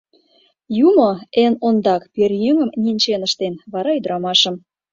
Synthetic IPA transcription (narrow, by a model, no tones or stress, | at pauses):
jumɤ̆enond̪ɑkperjøŋə̆mnʲinʲt͡ɕenə̆ʃt̪enβɑɾɑyd̪əɾɑmɑʃə̆m